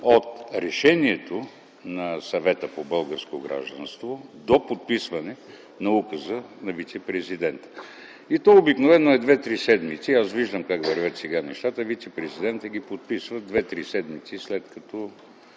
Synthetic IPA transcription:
ot̪ɾɛʃɛniɛt̪o | nɐsɐvɛt̪əpobɤlˠɡəɾskoɡɾa̰ʒd̪ənst̪vod̪opot̪̚pisvɐnɛ | nɐukəzənɐvit̪sɛpɾɛzid̪ɛnt̪ə̥ | it̪ɔobiknovɛnːoɛd̪vɛt̪ɾisɛd̪mit̪siasviʒd̪əmkakvɐɾvʲət̪sɛɡanɛʃt̪at̪əvit̪sɛpɾɛzid̪ɛnt̪əɡipot̪̚pisvəd̪vɛt̪ɾisɛd̪mit̪sislɛt̪kɐt̪ɔ

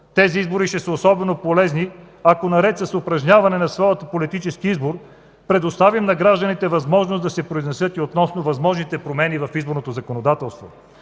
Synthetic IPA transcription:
t̪ɛziizboɾiʃɛsəosɔbɛnopolɛzni | ɐkonɐɾɛt̪səsʊpɾɐʒɲʲavɐnɛnɐsvɔjət̪əpolit̪it͡ʃɛskiizboɾ | pɾɛd̪ost̪avimnɐɡɾaʒd̪ənit̪ɛvɐzmɔʒnosd̪ɐsɛpɾoiznɛsɤt̪iot̪nɔsnovɐzmɔʒnit̪ɛpɾomɛnivɐfizboɾnot̪ozɐkonod̪at̪ɛlˠst̪vo̰

